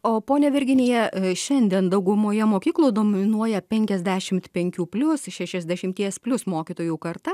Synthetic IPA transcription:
oːpoːnʲɛʋʲɪɾʲɡʲɪnʲeːjɛʃʲɛnʲd̪ʲiɛnd̪ɐʊɡʊmoːjɛmoːkʲiːklˠuːd̪oːmʲɪnuɔjɛpʲɛŋʲkʲɛzʲd̪ʲæːʃʲɪmt̪pʲɛŋʲkʲuːpʲlʲʊsʃʲɛʃʲɛzʲd̪ʲɛʃʲɪmʲt̪ʲiɛspʲlʲʊsmoːkʲiːt̪oːjuːkɐɾt̪ɐ

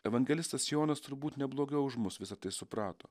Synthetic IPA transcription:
ɛʋɐŋʲɡʲɛlʲɪst̪ɐsjoːnɐst̪ʊɾbuːt̪nʲɛblˠoːɡʲɛʊʊʒmʊsʋʲɪsɐt̪ɐɪsʊpɾɑːt̪o̰ː

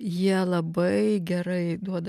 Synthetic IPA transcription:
jiɛlˠɐbɐɪɡʲɛɾɐɪd̪uɔd̪ɐ

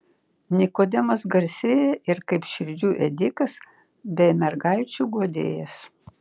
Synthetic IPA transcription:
nʲɪkoːd̪ʲɛmɐsɡɐɾʲsʲeːjɛʔɪɾkɐɪpʃʲɪɾʲd͡ʒʲuːʔɛd̪ʲɪkɐs | bʲɛɪmʲɛɾɡɐɪt͡ʃʲuːɡoːd̪ʲḛːjɛs

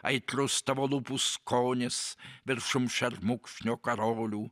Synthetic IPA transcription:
ɐ̰ɪt̪rʊst̪ɐʋolˠupuskʰoːnʲɪsʋʲɪrʃʊmʃɛrmukʃʲnʲokɐɾoːlʲuː

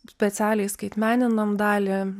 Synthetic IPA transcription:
sʲpʲɛt̪sʲæːlʲɛɪskɐɪt̪ʲmʲæːnʲɪnɐmd̪ɑːlʲɪ

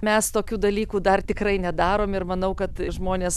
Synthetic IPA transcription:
mʲɛst̪oːkʲuːd̪ɐlʲiːkuːd̪ɐrt̪ʲɪkrɐɪnʲɛd̪ɑːɾoːmɪrmɐnɐʊkɐt̪ʒmoːnʲeːs

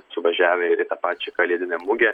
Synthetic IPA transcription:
sʊʋɐʒʲæːʋʲɛɪɾit̪ɐpɑːt͡ʃʲɛkɐlʲiɛd̪ʲɪnʲɛmʊɡʲɛ

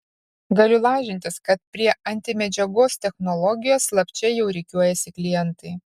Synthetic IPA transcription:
ɡɐlʲʊlˠɑːʒʲɪnʲt̪ʲɪskɐt̪̚pʲɾʲiɛʔɐnʲt̪ʲɪmʲɛd͡ʒʲɛɡoːst̪ʲɛxnɔlˠɔɡʲɪjoːslˠɐpʲt͡ʃʲɛjɛʊɾʲɛɪkʲuɔjɛsʲɪklʲɪjɛnt̪ɐɪ

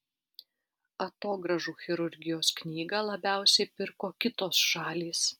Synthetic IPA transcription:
ɐt̪oːɡɾɐʒuːxʲɪɾʊɾʲɡʲɪjoːsknʲiːɡɐlˠɐbʲæˑʊsʲɛɪpʲɪɾkoːkʲɪt̪oːsʃɑːlʲiːs

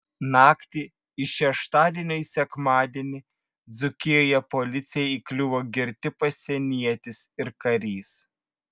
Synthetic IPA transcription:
nɑːkt̪ʲiː | ɪʃʲɛʃt̪ɑːd̪ʲiɛnʲoisʲɛkmɑːd̪ʲiɛnʲi | d̪zʊkʲɪjoːjɛpolʲɪt̪sʲɪjɛiːklʲʊʋoːɡʲɪɾʲt̪ʲɪpɐsʲɛnʲiɛt̪ʲɪsɪɾkɐɾʲiːs

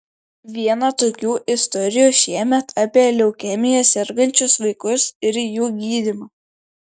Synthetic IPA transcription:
ʋʲiɛnɑt̪oːkʲuːʔɪst̪ɔɾʲɪjuːʃʲiɛmʲɛt̪ɑːpʲiɛlʲɛʊkʲɛmʲɪjɛsʲɛɾɡɐnʲt͡ʃʲʊsʋɐɪkʊsɪɾjuːɡʲiːd̪ʲɪmɐː

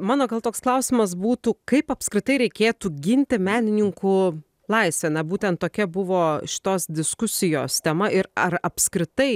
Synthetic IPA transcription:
mɑːnoːɡɐlˠt̪oːksklˠɐʊsʲɪmɐsbuːt̪uːkɐɪpɐpʲskɾʲɪt̪ɐɪɾʲɛɪkʲeːt̪uːɡʲɪnʲt̪ʲɪmʲæːnʲɪnʲɪŋkʊ | lˠɐɪsʲʋʲɛːnɐbuːt̪ʲɛnt̪t̪oːkʲɛbʊʋoːʃʲɪ̥t̪oːsd̪ʲɪskʊsʲɪjoːst̪ʲɛmɐɪɾɐɾɐpʲskɾʲɪt̪ɐɪ

